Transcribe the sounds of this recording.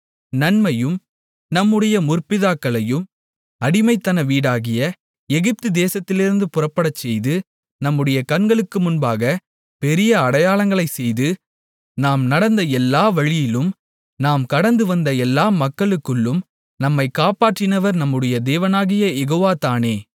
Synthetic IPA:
nɐnmɐjɯm | nɐmːɯɽɐjɐmʊrpɪðaːkːɐɭɐjɯm | ɐɽɪmɐɪt̪ːɐnɐʋiːɽaːɣɪjɐ | ɛɣɪp̚t̪ɯd̪eːsɐt̪ːɪlɪɾɯnd̪ɯpʊrɐpːɐɽɐt͡ʃːɛjðɯ | nɐmːɯɽɐjɐkɐɳɡɐɭɯkːɯmʊnbaːɣɐ | pɛɾɪjɐɐɽɐjaːɭɐŋɡɐɭɐɪsɛjðɯ | naːmnɐɽɐnd̪ɐɛlːaːʋɐɻɪjɪlɯm | naːmkɐɽɐnd̪ɯʋɐnd̪ɐɛlːaːmɐkːɐɭɯkːɯɭːɯm | nɐmːɐɪkːaːpaːʈrɪnɐʋɐɾnɐmːɯɽɐjɐd̪eːʋɐnaːɣɪjɐjɛɣoːʋaːt̪aːneː

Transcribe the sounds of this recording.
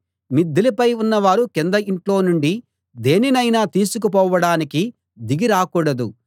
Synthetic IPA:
mid̪ːilipɐjunːɐʋaːɾukɛnd̪ɐiɳʈlo̞ːnuɳɖi | d̪eːninɐjnaːt̪iːsuk̬up̬ɔːʋɐɽaːniki | d̪iɡiɾaːkuːɽɐd̪u

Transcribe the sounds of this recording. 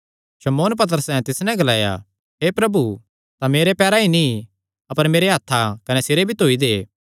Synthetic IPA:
ʃɐmoːnp̬ɐt̪̬əɾəsɛ̃t̪ɪsnɛ̃ɡɐlaːja̰ | ɦeːpɾɐbu | t̪ameːɾepɛːɾaini | ɐpəɾmeːɾeɦat̪ʰːakɐnɛsɪɾebʱit̪oːid̪eː

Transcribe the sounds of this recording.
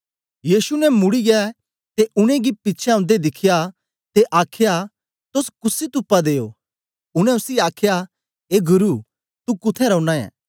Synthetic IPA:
jiːsunɛmʊɽiɡɛ | t̪eʔʊɽ̃ẽɡipɪːʃʰɛɐ̃nd̪ed̪ɪkʰɪja | t̪eʔaːkʰja | t̪oskʊsit̪ʊpːad̪eːjo | ʊɽ̃ɛ̃ʊsiaːkʰja | eɡʊɾu | t̪ukʊt̪ʰɛɾɐʊnãːɛ̰̃ː

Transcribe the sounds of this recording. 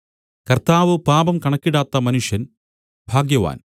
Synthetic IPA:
kɐrt̪aːʋɨpaːbɐmkɐɳɐkːiɽaːt̪ːɐmɐnuʂjɐn | bʱaːɡjɐʋa̰ːn

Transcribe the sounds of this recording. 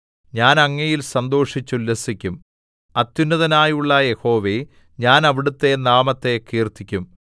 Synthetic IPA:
ɲaːnɐŋːɐjilsɐnd̪o̞ːʂit͡ɕːulːesikʲːum | ɐt̪ːjunːɐðɐnaːjuɭːɐje̞ho̞ːʋe̞ | ɲaːnɐʋiɽut̪ːe̞naːmɐt̪ːe̞kiːrt̪ikʲːum

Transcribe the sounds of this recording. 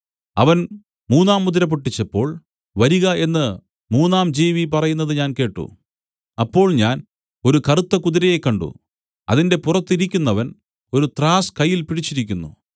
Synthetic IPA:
ɐʋɐn | muːnːaːmːuðiɾɐp̬uʈːit͡ɕːɐpːo̞ːɭ | ʋɐɾiɣɐʔe̞nːɨ | muːnːaːmd͡ʑiːʋipɐrɐjunːɐðɨɲaːnke̞ːʈːṵ | ɐpːo̞ːɭɲaːn | o̞ɾukɐrut̪ːɐkuðiɾɐjekːɐɳɖṵ | ɐ̰ðinde̞purɐt̪ːiɾikʲːunːɐʋɐn | o̞ɾut̪raːskɐjːilpiɽit͡ɕːiɾik̬ʲːunːṵ

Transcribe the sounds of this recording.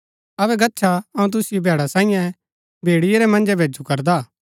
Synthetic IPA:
ɐbɛɡɐtːʃʰaɐũt̪̬ʊsijbʱɛːɽasãːĩjɛ̃ | bʱeːɽɪjeɾɛmɐ̃nd͡ʒɛbʱeːd͡ʒukɐɾd̪aː

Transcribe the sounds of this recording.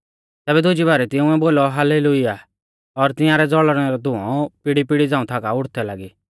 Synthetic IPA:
t̪ɛːbɛd̪ʱʊd͡ʒibaːɾɛt̪ɪ̃ʊ̃ɛboːlɔɦalelʊiaː | ɔɾt̪ɪ̃jãɾɛd͡zɔɭɾɛɾɔd̪ʊ̃ɔ̰̃pɪɽipɪɽid͡zãːũt̪ʰakaʊɽt̪ʰɛlaɡiː

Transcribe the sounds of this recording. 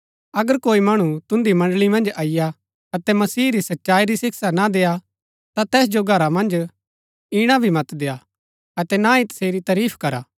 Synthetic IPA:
ɐɡəɾkoːimɐɽ̃ut̪ʊ̃nd̪imɐ̃ɳɖlimɐ̃nd͡ʒaːɪja | ɐt̪ɛmɐsiːɾisɐtːʃaːiɾisɪkʰsanad̪eːa | t̪at̪ɛːs̬d͡ʒoɡʱɐɾamɐ̃nd͡ʒ | ɪɽ̃abʱimɐt̪d̪eːa | ɐt̪ɛnaːĩt̪ɐ̥seːɾit̪ɐɾiːpʰkɐɾa̰ː

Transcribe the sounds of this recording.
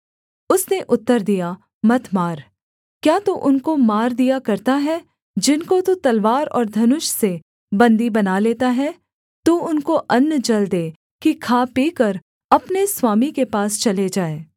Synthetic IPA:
ʊsneʔʊt̪ːəɾd̪ija | mɐt̪ʰmaːɾ | kjaːt̪oʔʊnkomaːɾd̪ijakɐɾt̪aɦɛ | d͡ʒɪnkot̪ot̪ɐlʋaːɾɔ̰ːɾd̪ʱɐnʊʃse | bɐ̃nd̪ibɐnaleːt̪aɦɛː | t̪uʊnkoʔɐnːd͡ʒɐld̪eː | kikʰaːpiːkəɾ | ɐpneswaːmikepaːst͡ʃɐled͡ʒaːeː

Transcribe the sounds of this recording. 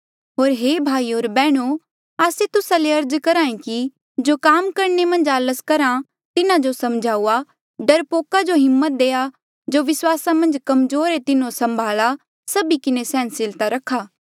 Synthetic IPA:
ɦoːɾɦeːbʱaːioːɾbɛːɽ̃o | aːset̪ʊsaleɐɾd͡ʒkɐɾaːẽki | d͡ʒoːkaːmkɐɾnemɐ̃nd͡ʒaːləskɐɾã | t̪ɪnãd͡ʒosɐmd͡ʒʱaːua | ɖɐɾpoːkad͡ʒoɦɪmːət̪̚d̪eːa | d͡ʒoːʋɪswaːsamɐ̃nd͡ʒkɐmzoːɾet̪ɪnõsɐ̃mbʱaːla | sɐbikɪnesɛ̃ːnsɪlt̪aɾɐkʰːaː

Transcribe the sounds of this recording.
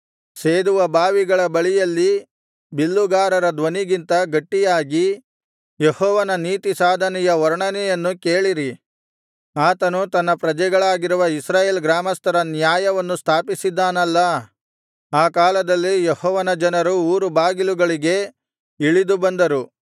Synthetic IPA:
seːd̪uʋɐbaːʋiɡɐɭɐbɐɭijɐlːi | bilːuɡaːɾɐɾɐd̪ʋɐniɡint̪ɐɡɐʈːijaːɡi | jehɔːʋɐnɐniːt̪isaːd̪ʱɐnɛjɐɔɾɳɐnɛjɐnːukeːɭiɾi | aːt̪ɐnut̪ɐnːɐpɾɐd͡ʒɛɡɐɭaːɡiɾuʋɐisɾaːjeːlɡɾaːmɐst̪ɐɾɐnjaːjɐʋɐnːust̪ʰaːpisid̪ːaːnɐlːɐ | aːkaːlɐd̪ɐlːijehɔːʋɐnɐd͡ʒɐnɐɾuuːɾubaːɡiluɡɐɭiɡe̞ | iɭid̪ubɐnd̪ɐɾu

